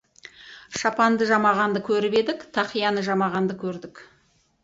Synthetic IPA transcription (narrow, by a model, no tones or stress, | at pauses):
ʃɑpɑnd̪əʒɑmɑʁɑnd̪əkʲʰɵɾɪpe̞d̪ɪkt̪ʰɑqijɑnəʒɑmɑʁɑnd̪əkʲʰɵɾd̪ɪk